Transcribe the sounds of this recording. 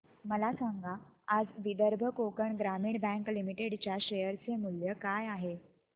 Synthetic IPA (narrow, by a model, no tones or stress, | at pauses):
məlasaŋɡʱaːd͡zʋid̪əɾbʱəkokəɳɡɾamiːɳbɛ̃ŋklimiʈeɽt͡ɕjaɕejəɾt͡semuljəkajaɦe